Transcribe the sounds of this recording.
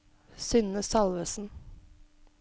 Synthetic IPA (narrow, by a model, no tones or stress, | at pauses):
sʏnəsɑlʋəsn̩